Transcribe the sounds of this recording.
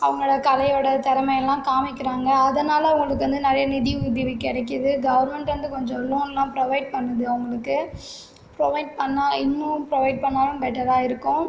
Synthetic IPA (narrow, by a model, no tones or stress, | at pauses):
ɐʋɐŋɡɐɭɽɐkɐlɐjoːɽɐt̪ɛɾɐmɐjɛlːãːkaːmɪkːɪɾaːŋɡɐːðɐnaːlɐʋʊŋɡɐɭɯkːɯʋɐnd̪ɯnɐɾɐjɐnɪðiʊðɪʋɪkːɪɽɐk̬ːɯðɯɡɐʋɐɾmɛɳʈʋɐnd̪ɯkɔɲd͡ʒɔ̃loːnlːãːpɾɔʋɐɪɖ̚pɐɳːɐðɯɐʋʊŋɡɐɭɯkːɯ | pɾɔʋɐɪɖ̚pɐɳːaːɪnːɯ̃pɾɔʋɐɪɖ̚pɐɳːaːlɯ̃mbɛʈːɐɾaːɪɾɯkːʊ̃